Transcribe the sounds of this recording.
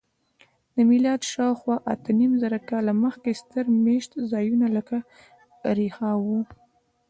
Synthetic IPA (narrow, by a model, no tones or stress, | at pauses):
d̪̥əmɪlɑd̪ʃɑwxwɑʔat̪ənimzaɾakɑlaməxkest̪əɾmeʃt̪zɑjunaləka | ɾehɑwu